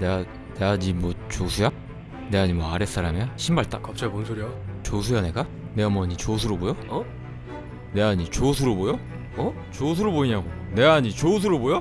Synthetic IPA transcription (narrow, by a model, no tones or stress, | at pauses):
nea | neaɲimwʌt͡ɕosʰuja | ne̞aɲimwʌaɾes͈aɾamiaɕʰimbaɭt͈akʌp̚t͡ɕ͈ʰaponsʰoɾiot͡ɕosʰujaneɡa | ne̞ʌmʌɲit͡ɕosʰuɾobojo | ne̞aɲit͡ɕosʰuɾobojo | t͡ɕos̬ʰuɾoboiɲaɡone̞aɲit͡ɕosʰuɾobojo